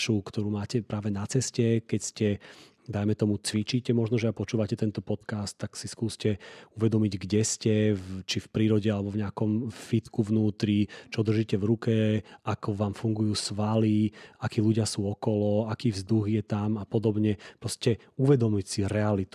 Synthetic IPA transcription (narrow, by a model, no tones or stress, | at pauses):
ʃukt̪ɔɾuːmaːcɛpɾaːʋɛnat͡sɛscɛkɛcscɛ | d̪ajmɛt̪ɔmut͡sʋit͡ʃiːcɛmɔʒnɔʒɛapɔt͡ʃuːʋacɛt̪ɛnt̪ɔpɔt̪kast̪ːaksiskuːscɛuʋɛd̪ɔmiɟɡɟɛscɛt͡ʃifpɾiːɾɔɟɛalɛbɔvɲɛakɔmfit̪kuvnuːt̪ɾit͡ʃɔd̪r̩ʒiːcɛvɾukɛakɔʋaːmfuŋɡujuːsʋaliakiːluɟɪasuːɔkɔlɔakiːvzd̪uɣjɛt̪amapɔd̪ɔbɲɛpɾɔscɛ | uʋɛd̪ɔmicsiɾɛalit̪u